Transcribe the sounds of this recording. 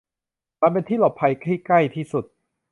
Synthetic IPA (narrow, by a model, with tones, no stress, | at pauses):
maː˧npe˧nt̪ʰiː˥˩lɔ˨˩pʰːa˧jkɾiː˥˩kla˥˩jt̪ʰiː˥˩su˨˩t̪̚